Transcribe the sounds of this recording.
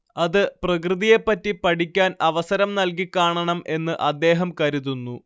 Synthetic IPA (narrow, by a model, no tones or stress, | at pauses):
ɐðɨprɐkrɨðije̞pːɐtːipɐʈʰikʲːaːnɐʋɐsɐɾɐmnɐlk̬ikːaːɳɐɳɐmʔe̞nːɨʔɐd̪ːe̞ːɦɐmkɐɾuðunːu